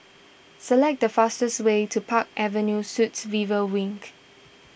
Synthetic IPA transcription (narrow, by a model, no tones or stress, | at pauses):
səlɛk̚dəfastəswetʰupʰak̚ʔɛvə̃njusutsvivəwĩŋk